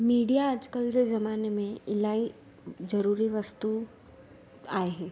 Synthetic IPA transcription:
miːɽijad͡ʒkɐlɾezɐmaːnemẽɪlaːi | d͡ʒɐɾuːɾiʋɐst̪u | aːeɦɛː

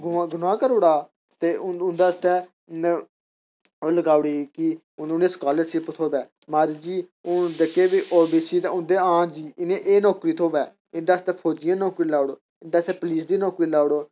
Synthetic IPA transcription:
ɡʊaɡʊnãːkəɾʊːɽaː | t̪eːʊʊnd̪aːt̪ɛː | oːləɡaːʊɽiːki | ʊnẽːskaːləɾsɪpt̪ʰoːbɛː | maːɾid͡ʒiːʊd̪əkeːbiːʔoːbiːsiːd̪ʊnd̪eːãːd͡ʒiːɪnẽʔeːnɔːkɾiːt̪ʰoːbɛː | ɪnd̪aːst̪ɛːpʰoːd͡ʒɪjãːnɔːkɾiːlaːɽoː | ɪnd̪aːt̪ɛːpliːsd̪iːnɔːkɾiːlaːɽoː

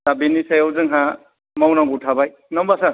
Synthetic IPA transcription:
dabinisajawzɯŋɦa | mawnaŋɡutʰabaj | nɔmbasa

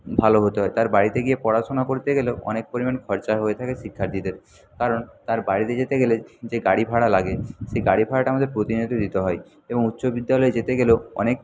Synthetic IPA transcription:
bʱaloɦot̪eɦɔet̪aɾbaɽit̪eɡiepɔɽaʃonakoɾt̪eɡeleɔ̰nek̚poɾimankʰɔɾt͡ɕaɦoet̪ʰakeʃikʰːaɾd̪id̪eɾ | kaɾont̪aɾbaɽit̪ed͡ʑet̪eɡeled͡ʑeɡaɽibʱaɽalaɡeʃeɡaɽibʱaɽaʈamad̪ʱeɾpɾot̪inod̪ʱid̪it̪eɦɔe | eboŋut̪ːɕobid̪ːalɔed͡ʑet̪eɡeloɔ̰nek̚

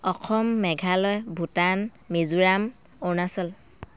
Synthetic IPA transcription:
ɔxʰɔmːɛɡʱalɔjbʱutan | mizuɹam | onasɔl

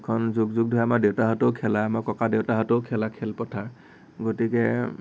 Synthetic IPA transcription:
kʰɔnzuɡzuɡ̚dʱɔɛamaɹdewtaɦɔtoʊkʰɛlaamaɹkɔkadewtaɦɔtoʊkʰɛlakʰɛlpɔtʰaɹ | ɡotikɛ

